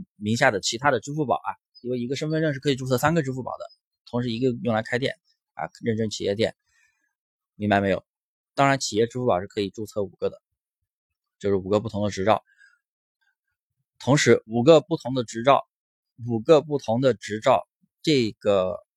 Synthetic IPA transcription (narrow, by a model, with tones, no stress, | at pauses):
mi˧˥ŋɕja˥˩d̪ə˩t͡ɕʰi˧˥t̪ʰa˥d̪ə˨ʈ͡ʂɻ̩˥fu˥˩pɑ̰˨˩ʊɐ̰˧si˧˩we˥˩ɪi˧˥ɡə˧ʂə˥nfə˥˧nɻə˥˧nʂɻ̩˥˩kʰɤ˧˥i˨˩ʈ͡ʂu˥˧t͡sʰɤ˥˩s̬a˥nɡə˧ʈ͡ʂɻ̩˥fu˥˩pɑ̰˨˩ʊd̪ə̰˦ | t̪ʰʊ˧˥ŋʂɻ̩˧˥i˧˥ɡə˧jʊ˥˩ŋla˧˥ɪkʰa˥ɪjɛ̰˥˩n | a̰˧ɻə˥˩nʈ͡ʂə˥ŋt͡ɕʰi˨˩jɛ˥˧t̪jɛ̰˥˩n | mi˥ŋba˧me˧˥ɪjo̰˨˩˦ʊ | t̪ɑ˥ŋɻa˧˥nt͡ɕʰi˨˩jɛ˥˩˧ʈ͡ʂɻ̩˥fu˥˩pɑ˨˩ʊʂɻ̩˥˩kʰɤ˧˥i˨˩ʈ͡ʂu˥˧t͡sʰɤ˥˩u˨˩ɡ̥ə˧˥d̪ə̰˨˩ | t͡ɕjo˥˧ʂɻ̩˥˩u˨˩ɡə˧p̬u˥˩t̪ʰʊ˧˥ŋd̪ə˧ʈ͡ʂɻ̩˧˥ʈ͡ʂɑ˥˩ʊ | t̪ʰʊ˧˥ŋʂɻ̩˧˥u˨˩ɡə˧pu˥˩t̪ʰʊ˧˥ŋd̪ə˧ʈ͡ʂɻ̩˧˥ʈ͡ʂɑ˥˩ʊ | u˨˩ɡə˧pu˥˩t̪ʰʊ˧˥ŋd̪ə˧ʈ͡ʂɻ̩˧˥ʈ͡ʂɑ˥˧ʊ | ʈ͡ʂɤ˥˩ɪɡ̥ə˩